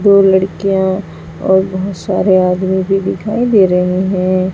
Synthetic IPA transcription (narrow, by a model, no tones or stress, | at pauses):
d̪oːlɐɽkijã | ɔ̰ːɾbɔɦʊt̪sa̰ːɾeaːd̪mibʱid̪ɪkʰaːid̪eːɾɐɦiɦɛ̃ː